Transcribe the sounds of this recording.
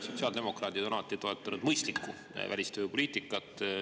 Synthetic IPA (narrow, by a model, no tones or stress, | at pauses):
so̞t̪siɑld̪emo̞krɑːd̪id̪ɑlɑt̪ːˑit̪o̞e̞t̪ˑːɑnud̪mɤjst̪likːu | vælʲist̪øjupo̞lʲiːt̪ˑikːˑɑt̪ːˑ